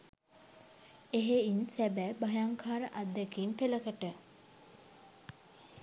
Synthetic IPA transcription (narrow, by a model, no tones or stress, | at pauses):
eɦeinsæbæbajaŋkʰaːɾəʔad̪ːəkinpeləkəʈə